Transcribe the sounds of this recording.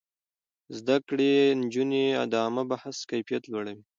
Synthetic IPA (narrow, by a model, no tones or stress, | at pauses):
zd̪akɽend͡ʒunea̰d̪ɑmabahaskajfijat̪lwaɽawi